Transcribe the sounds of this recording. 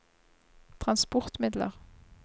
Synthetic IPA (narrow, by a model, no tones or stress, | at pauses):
t̪ʰʁɑnspʊʁt̪mɪd̪lə̰ʁ